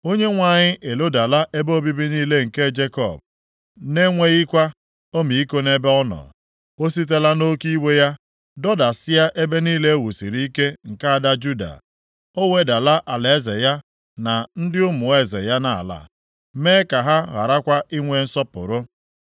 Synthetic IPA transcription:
o˦ɲe˦ŋʷa˨ɲɪ˦ʔe˨lo˦da˨la˦ʔe˦bo˦bi˦bi˦niː˦le˦ŋ̩˨ke˦d͡ʒe˦kɔ̰˨b̚ | ne˦ŋʷe˦ɣi˦kʷa˦ | o˦mi˨i˦ko˦ne˦be˦ɔ˦nɔ̰˨ | o˦s̬i˦t̬e˦la˦no˦ki˦we˦ja˦ | dɔ˦da˨sɪ˦ja˦ʔe˦be˦niː˦le˦e˦wu˨sḭ˨ɾi˦i˦ke˦ŋ̩˨ka˦a˦˨da˦d͡ʒu˦da̰˨ | o˦we˦da˨la˦ʔa˨la˨e˦zḛ˨ja˦ | na˨n̩˦dɪ˦ʊ˦mʊ˨e˦˨zḛ˨ja˦na˨a˨la̰˨ | meː˦ka˨ɦa˦ɣa̰˨ɾa˦kʷa˦ʔi˦ŋʷe˨n̩˦sɔ˦pʊ̰˨ɾʊ˦

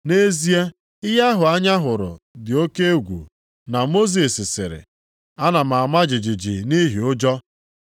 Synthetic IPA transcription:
ne˦zi˦e˦ | ɪ˦ɦa˦ɦʊ˨a˦ɲa˦ɦʊ˨ɾʊ̰˨dɪ˨o˦ke˦e˦ɡʷṵ˨ | na˨mo˦zi˨sɪ˨sɪ̰˨ɾɪ̰˨ | a˦na˨m̩˨a˨ma˦d͡ʒɪ˨d͡ʒɪ˨d͡ʒi˨ni˦ɦi˨ʊ˦d͡ʒɔ˦

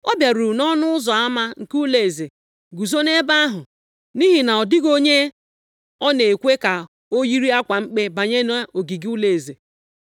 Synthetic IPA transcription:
o˦bja˨ɾu˨nɔ˦nʊ˦ʊ˦zɔ˨a˦ma˦ŋ̩˨ku˦le˨e˨ze˨ | ɡu˨zo˦ne˦ba˦a˦ɦʊ˨ | ni˦ɦi˨na˨ɔ˨dɪ˦ɡo˦ɲe˦ | ɔ˦ne˨kʷe˦ka˨ | o˦ji˦ɾi˦a˦kʷa˨ŋ͡m̩˦k͡pe˦ba˨ɲe˦n˦a˦o˨ɡi˨ɡu˦le˨e˨ze˨

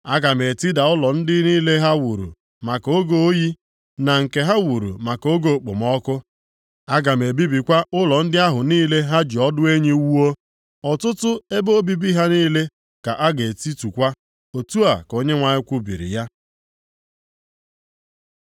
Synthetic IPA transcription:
a˦ɡa˨m˨e˨ti˦da˨ʊ˦lɔ˨n̩˦dɪ˦niː˦le˦ɦa˦wu˨ɾṵ˨ | ma˨ko˦ɡo˨o˦ji˦ | na˨ŋ̩˨ke˨ɦa˦wu˨ɾṵ˨ma˨ko˦ɡo˨k͡pʊ̰˨m˦ɔ˦kʊ˦ | a˦ɡa˨m˨e˨bi˦bi˨kʷa˦ʔʊ˦lɔ˨n̩˦dɪ˦a˦ɦʊ˨niː˦le˦ɦa˦d͡ʒi˨ɔ˦dʊ˦e˦ɲi˦wu˦o˦ | ɔ˨tʊ˦tʊ˦e˦bo˦bi˦bi˦ɦa˦niː˦le˦ | ka˨ʔa˦ɡe˨ti˦tu˨kʷa˦ | o˨tu˦a˨ko˦ɲe˦ŋʷa˨ɲɪ˦kʷu˦bḭ˨ɾḭ˨ja˦

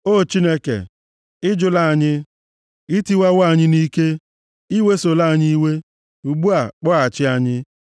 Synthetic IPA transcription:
o˦t͡ʃi˦ne˦kḛ˨ | ɪ˦d͡ʒʊ˦la˦˨a˨ɲɪ˦ | i˦ti˦wa˦wa˦˨ɲɪ˦ni˦ke˦ | i˦we˦so˨la˦˨ɲi˦we˦ | u˨ɡ͡bu˦a˨k͡pɔ˦a˨t͡ʃɪ˦a˨ɲɪ˦

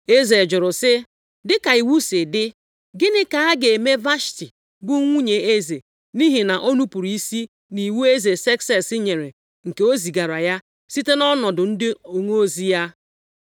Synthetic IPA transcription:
e˦ze˨d͡ʒʊ˨ɾʊ˨sɪ˦ | dɪ˦ka˨i˨wu˦sɪ˨dɪ˦ | ɡɪ˦nɪ˦ka˨a˦ɡe˨e˨me˦va˦ʃti˨ | bʊ˦ŋʷu˦ɲe˨e˦ze˨ | ni˦ɦi˨na˨ʔo˦nu˦pu˨ɾi˨i˦si˦ | ni˨wu˦e˦ze˨sɛ˦ksɛ˦sɪ˦ɲe˨ɾe˨ | ŋ̩˨ke˨o˦zi˨ɡa˨ɾa˨ja˦ | si˦te˦nɔ˦nɔ˨dʊ˨n̩˦dɪ˦o˨ŋo˦o˦zi˦ja˦

